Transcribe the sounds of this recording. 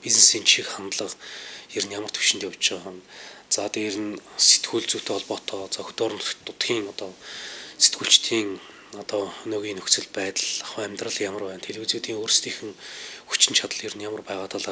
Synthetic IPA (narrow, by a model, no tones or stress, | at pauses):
piznesiːnt͡ɕʰikχant̪ɮə̆qeɾɘ̆njamə̆r̥t̪ʰɵ̥wʃɪ̆nt̪jaw̥t͡ɕt͡ɕɪ̆ʁant͡saːt̪eːɾɘ̆nset̪ɡuːɮt͡sut̪ʰeːɔɮpɔːt̪ʰɔːt͡saːxɵ̥t̪ʊːɾə̆nt̪ːʊt̪ɡʲiːŋɔt̪ɔːse̥t̪ɡuːɬt͡ɕt̪ʰiːŋ | ɔt̪ɔːɵnoːɣiːnɵkt͡sɵ̆ɮpæːt̪əɮaχwəæːmʲt̪rə̆ɮjamə̆rpæːnt̪ʰeɮuːt͡suːt̪iːŋoːɾrst̪ʰiːxɘ̆ŋxu̥t͡ɕɪ̆nt͡ɕʰat̪ə̆ɮeɾɘ̆njamə̆rpæːʁaːt̪ʰaːɮaː